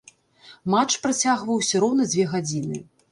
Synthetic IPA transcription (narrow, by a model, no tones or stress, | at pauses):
mat͡ʂpɾat͡sʲaɣvɐwsʲɐɾɔwnɐd͡zʲvʲɛɣad͡zʲinɨ